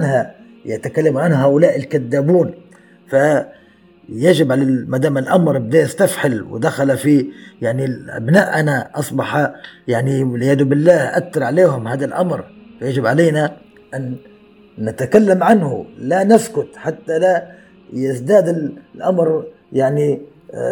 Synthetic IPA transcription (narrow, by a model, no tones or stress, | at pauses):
ʕanha | jat̪akalːamʕanhɦaːʔʊlaːʔɪlkad̪ːaːbuːn | fa | jad͡ʒɪbʕalamad̪aːmɪlʔamɾbɪd̪ajast̪afħalwɪ̰d̪axalafijaʕnilʔa̰bnaːʔʔanaʔɑsˤbɑħɑjaʕniwɪlʕɪjaːd̪ʊbɪlːaːhʔat̪ːɑɾˤʕaleːhʊmhaːd̪alʔamɾfajad͡ʒɪbʕaleːna | ʔanː | ɪt̪akalːamʕanhʊ̰lanaskʊt̪ħat̪ːala | jɪzd̪aːd̪ɪllʔamɾ | jaʕni